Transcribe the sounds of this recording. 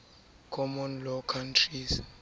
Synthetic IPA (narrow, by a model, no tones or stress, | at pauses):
kʰɔmɔnlɔkʰantʰris